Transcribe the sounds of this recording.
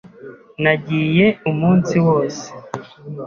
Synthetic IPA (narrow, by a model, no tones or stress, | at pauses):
naɟiːje̞umuːnsiwo̞ːse̥